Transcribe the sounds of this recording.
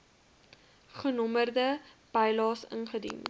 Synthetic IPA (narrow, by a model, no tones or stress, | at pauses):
χənɔmərdəb̥ɐjlɑːsə̰nχədḭn